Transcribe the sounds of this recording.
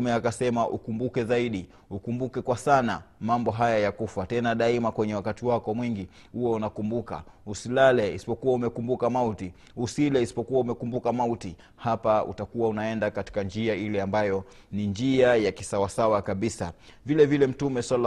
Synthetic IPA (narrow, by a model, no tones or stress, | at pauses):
mɛakasɛmaʔṵkumbukɛzaiɗi | ukumbukɛkwasanamambɔɦajajakufatɛnaɗaimakwɛɲɛwakatiwakɔmwiŋɡi | huɔunakumbuka̰usilalɛisi̥pɔkuwaumɛkumbukamauti | usilɛisi̥pɔkuwaumɛkumbukamauti | hapaṵtakuwaunaɛndakati̥kand͡ʒiailɛambajɔ | nind͡ʒiajakisawasawakaɓisa̰vilɛvilɛm̩tumɛsal